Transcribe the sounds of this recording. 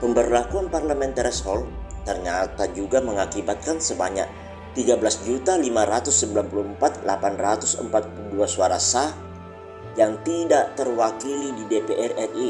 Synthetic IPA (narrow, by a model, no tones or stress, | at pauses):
pəmbərlakuanparləmɛnt̪ɾɛshɔlt̪ərɲat̪ad͡ʒuɡaməŋakibat̪̚kansəbaɲa̰k̚ | t̪iɡabəlasd͡ʒut̪alimaɾat̪ʊsːəmbilanpuluəmpat̪̚lapanrat̪ʊsə̰mpat̪̚puluduasuaɾasa | jaŋt̪idaʔt̪ərwakilididepeʔɛrɛri